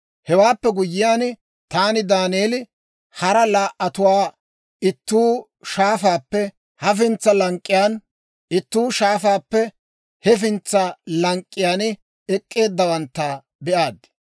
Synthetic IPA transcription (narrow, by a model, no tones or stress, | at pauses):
hɛwaːpːɛɡʊjːɪjaːn | t̪aːnɪd̪aːneːlɪ | hɐɾɐlaːʔɐt̪ʊwaː | ɪt̪ːuː | ʃaːfaːpːɛ | hɐf̬ɪnt͡sːɐlɐŋkʼːɪjaːn | ɪt̪ːuːʃaːfaːpːɛ | hɛfɪnt͡sːɐlɐŋkʼːɪjaːn | ɛkʼːe̞ːd̪ːɐwɐnt̪ːɐ | bɛʔaːd̪